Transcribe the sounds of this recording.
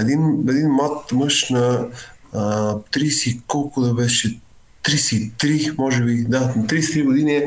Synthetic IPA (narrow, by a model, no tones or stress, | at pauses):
ɛd̪inɛd̪inmat̪mɤʃnɐ | t̪ɾisikɔlˠkʊd̪ɐvɛʃɛ | t̪ɾisit̪ɾimɔʒɛbid̪ant̪ɾist̪ɾiɡod̪inɛ